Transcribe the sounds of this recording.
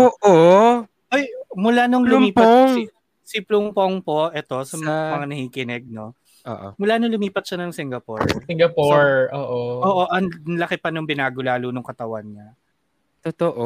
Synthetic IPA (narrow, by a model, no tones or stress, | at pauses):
ʔoːʔo | ʔojmʊlanʊŋlʊmiːpɐŋ | siplʊmpoŋpo̞ʔɛt̪o̞sɐmɐmɐŋanɐhiːkɪnɛɡ̚no̞̰ | o̰ʔmʊlanʊŋlʊmiːpɐt̪̚ʃɐnɐŋsɪŋɡɐpo̰ɹsɪŋɡɐpoɹʔoːʔoʔoːʔo̞ʔɐŋnlɐkɪpɐnʊŋbɪnaːɡʊlaːluːnʊŋkɐt̪ɐwa̰nɲɐ | t̪ot̪oʔo